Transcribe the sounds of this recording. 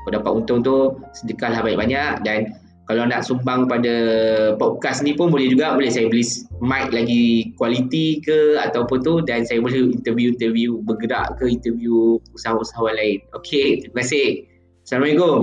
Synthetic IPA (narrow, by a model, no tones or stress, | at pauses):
kodapat̪unt̪ʊŋt̪usədəkahlahbaɲɛ̰k̚baɲaʔdan | kalawnaʔsumbaŋpadapɔp̚kasnĩpʊnbolɛhd͡ʒuɡabolɛhsajabəlɪsmat̪̚laɡikwalit̪ikəa̰t̪awpʊnt̪udansajabolɛhint̪əvjuint̪əviubəɡəɾa̰ʔkəint̪əvijuusaɦausaɦawanlaɪnokʰet̪iməkasɪ | samajɡo